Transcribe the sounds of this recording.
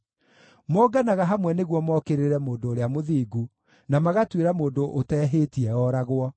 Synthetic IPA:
mɔːɡanaɣaɦamwɛneɣwɔmɔkeɾeɾɛmoːndoːɾeamoðiːɡu | namaɣatweɾamoːndoʔotɛːɦetiɛɔɾaɣwɔ

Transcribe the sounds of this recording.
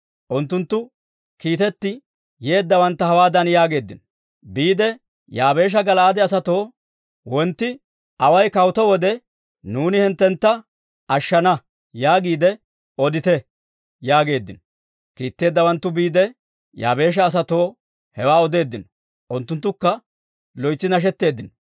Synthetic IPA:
ʔʊnt̪ːʊnt̪ːʊ | kiːt̪ɛt̪ːɪ | jeːd̪ːɐwɐnt̪ːɐhɐwaːd̪ɐnjaːɡe̞ːd̪ːɪnɔ̥ | biːd̪ɛ | jaːbe̞ːʃ̬ɐɡɐlaːd̪ɛɐsɐt̪o̞ː | wɔnt̪ːɪ | ɐwɐjkɐwt̪ɔwɔd̪ɛ | nuːnɪhɛnt̪ːɛnt̪ːɐ | ɐʃːɐnɐ | jaːɡiːd̪ɛ | ɔd̪ɪt̪ɛ | jaːɡe̞ːd̪ːɪnɔ | kiːt̪ːe̞ːd̪ːɐwɐnt̪ːʊbiːd̪ɛ | ja̰ːbe̞ːʃ̬ɐːs̬ɐt̪o̞ː | hɛwaːɔd̪e̞ːd̪ːɪnɔ | ʔʊnt̪ːʊnt̪ːʊkːɐ | lɔjt͡sːɪnɐʃ̬ɛt̪ːe̞ːd̪ːɪnɔ

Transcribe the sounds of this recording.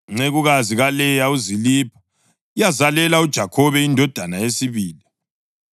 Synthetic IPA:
ŋ͡ǀeɣuɣaziɣalɛjauzilipʰɔ̥ | ijazalɛlaud̥ʒ̥ʱakʰɔβɛindʱɔd̥ʱanaesiβiːli

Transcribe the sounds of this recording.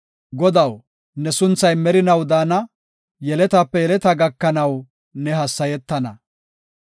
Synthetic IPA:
ɡɔd̪ɐw | nɛsʊnt͡sːɐjmɛɾɪnɐwd̪aːnɐ | jɛlɛt̪ɐpːɛjɛlɛt̪ɐɡɐkːɐnɐw | nɛɦɐsːɐjɛt̪ːɐnɐ̰

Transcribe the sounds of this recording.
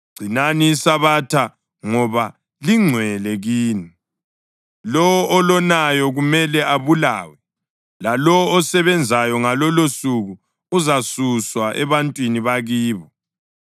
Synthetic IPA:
ɡ͡ǀ̥ʱinaniːsaβatʰa | ŋɔβa | liŋ͡ǀʱwɛlɛɣiːni | lɔɔːlɔnajɔɣumɛlɛaβula̰ːwɛ | lalɔːsɛβɛnd͡zʱajɔŋalɔlosuɣu | uzasuswaʔɛβantʼwiniβaɣiːβɔ

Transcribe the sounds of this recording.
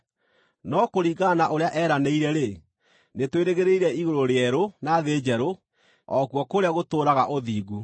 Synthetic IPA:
nɔkoɾiːɣanaʔoɾejaʔɛːɾaneiɾɛɾe | netweɾeɣeɾeiɾɛiɣoɾoɾeɛɾonaðeːd͡ʑɛɾo | ɔkuɔkoɾeaɣotoːɾaɣaʔoðiːɣu

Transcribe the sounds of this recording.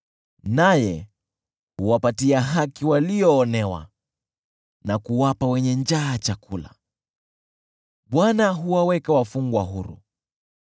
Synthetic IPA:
najɛ | huwapatiaɦakiwaliɔːnɛwa̰ | nakuwapawɛɲɛnd͡ʒaːt͡ʃakula̰ | ɓwanaɦuwawɛkawafuŋɡwaɦuɾṵ

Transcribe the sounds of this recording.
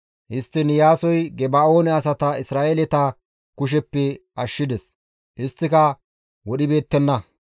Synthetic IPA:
ʔɪst̪ːɪnjaːsɔjɡɛbaːo̞ːnɛɐs̬ɐt̪ɐɪsɾaːʔeːlɛt̪ɐ | kʊʃ̬ɛpːɛɐʃːɪd̪ɛs | ʔɪst̪ːɪkɐ | wɔɗɪbe̞ːt̪ːɛnːɐ

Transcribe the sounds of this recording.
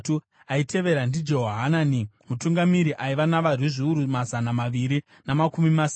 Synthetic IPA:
tu | aitʰe̞ʋe̞ɾandid͡ʒo̞ɦɦananimutuŋɡamiɾiʔaiʋanaʋariʐiuɾumazanamaʋiɾi | namakumimas

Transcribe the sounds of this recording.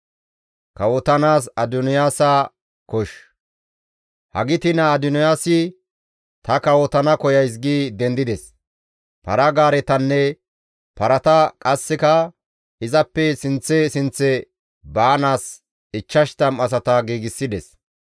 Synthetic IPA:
kɐwɔt̪ɐnaːsɐd̪ʊnɪjaːsɐ | kɔʃ | hɐ̰ɡɪt̪ɪnɐːd̪ʊnɔjaːsɪ | t̪ɐkɐwɔt̪ɐnɐkɔjɐjs̬ɡiːd̪ɛnd̪ɪd̪ɛs | pɐɾɐɡaːɾɛt̪ɐnːɛ | pɐɾɐt̪ɐkʼɐsːɪkɐ | ɪzɐpːɛsɪnt͡sːɛsɪnt͡sːɛ | baːnaːs | ɪt͡ʃːɐʃt̪ɐmɐs̬ɐt̪ɐɡiːɡɪsːɪd̪ɛs

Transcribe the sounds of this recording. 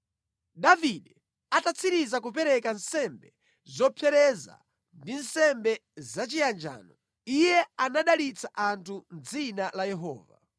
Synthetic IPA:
ɗaviɗɛ | atat͡sʰiɾizakup̬ɛɾɛkansɛmbɛ | zɔpʰɛɾɛza̰ | ndinsɛmbɛzat͡ʃijand͡ʒa̰ːnɔ | ijɛanaɗalit͡sʰaʔantʰund͡zinalajɛɦɔ̰ːva̰

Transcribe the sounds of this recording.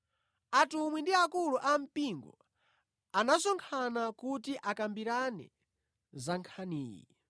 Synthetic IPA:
atumwindiakuluʔam̩piŋɡɔ̰ | anasɔŋkʰanakutiʔakambiɾanɛ̰ | zaŋkʰaniːjḭ

